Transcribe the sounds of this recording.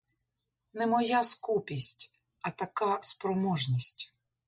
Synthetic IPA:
nɛmɔjaskupʲisʲtʲ | ɐt̪ɐkɑspɾɔmɔʒnʲisʲtʲ

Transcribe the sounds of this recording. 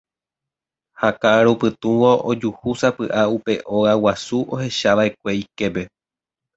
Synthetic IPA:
hakaɾupɨt̪ũʋoʔod͡ʒuhusapɨʔaupe̞ʔo̞awasuʔo̞he̞ʃaʋae̞kʷe̞ike̞pe̞

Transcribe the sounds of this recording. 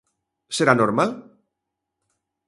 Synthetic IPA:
seɾanoɾmal

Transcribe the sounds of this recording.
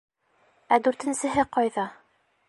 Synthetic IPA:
æd̪ʉɾt̪ɘ̆nsɘ̆ɦɘqɒjðɑ

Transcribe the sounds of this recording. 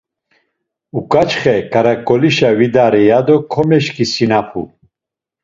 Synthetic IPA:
ukʼat͡ʃʰχɛkʼaɾakʼɔliʃavid̪aɾɛjad̪ɔkʰɔmɛʃkʰʼisinapʰṵ

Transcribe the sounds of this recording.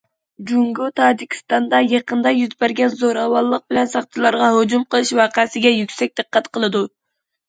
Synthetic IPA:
d͡ʒuŋɡot̪ʰɑːd͡ʒikʲʰi̥st̪ɑnd̪ɑjɑqənd̪ɑjyzbæɾɡʲɛnzoɾɑwɑlˠːəq̚bɪlɛnsɑχt͡ʃ̪ʰɨlˠɑɾʁɑɦod͡ʒumqəlˠɨʃwɑːqʰæsɪɡʲɛjykʲsɛk̚ʲd̪̥ɨqːɑt̪qʰəlˠɨd̪u

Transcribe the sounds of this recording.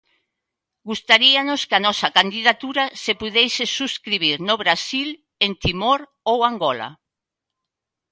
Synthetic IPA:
ɡust̪aɾianoskanɔsɐkand̪iðat̪uɾasepuðɛjsɪsuskɾiβiɾnoβɾasil | ent̪imoɾ | owaŋɡɔla̰

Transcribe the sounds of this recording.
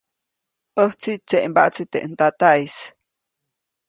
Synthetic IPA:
əht͡sit͡seʔmba̰ʔt͡sit̪eʔnt̪at̪ais

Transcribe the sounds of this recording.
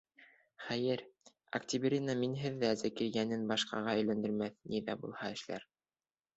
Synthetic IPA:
χæjɘɾ | ɐ̰ktʲiβbʲiɾʲinaminɦɘðːæzækiɾjænɘnbɑʃqɑ̰ʁɑɘ̆jlænd̪ɘ̆ɾmæθniðæbulˠhɑɘ̆ʃlæ̰ɾ

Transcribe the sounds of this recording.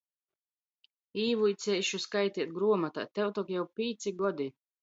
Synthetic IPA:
iːvuit̪sʲɛjʃuskajt̪ʲiɛt̪̚ɡɾuɔmat̪a̰ːt̪ɛwt̪ɔkjawpʲiːt̪sʲiɡɔd̪i

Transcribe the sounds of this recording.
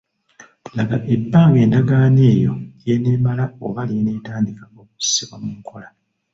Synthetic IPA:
laɡaʔe̞bːaːŋɡe̞ːndaɡaːne̞ːjo̞̰jenemalao̰βaline̞taːndikaoːku̥si̥siβwamuːŋkʰo̞la

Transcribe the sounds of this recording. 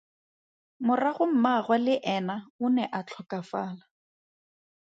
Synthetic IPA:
mʊraɣʊm̩maχwalɪʔɛnaʊnɛʔat͡ɬʰɔkafaːla

